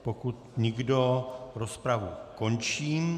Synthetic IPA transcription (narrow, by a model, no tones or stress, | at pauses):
pokut̪ɲɪɡdoɾospɾavuko̞nt͡ʃiːm